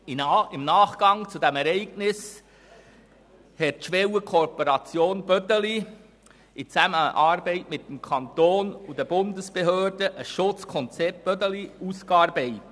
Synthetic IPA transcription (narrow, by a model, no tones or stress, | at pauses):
ɪmnɑːχɡ̥ɑŋt͡sudɛmɛɾɛɪɡnɪs | hɛt̚ʃʋɛwəkʰopoɾɑt͡sjoːnb̥œdəli | it͡sæməʔɑːɾbɛɪtmɪtːəmkʰɑnt̪oːnud̪ɛb̥ʊndəsb̥eɦøːɾdəʔəsʃʊt͡skʰɔnt͡sɛp̚t̚b̥œtəliuskɑɾbɛɪ